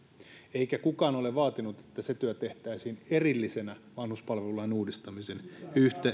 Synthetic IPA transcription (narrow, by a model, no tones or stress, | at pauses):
eikækukɑːnoleʋɑːt̪inut̪e̥t̪ːæset̪yæt̪eht̪æisiːnerilːisenæʋɑnhuspɑlʋeulːˑɑinuːdist̪ɑmisenyht̪e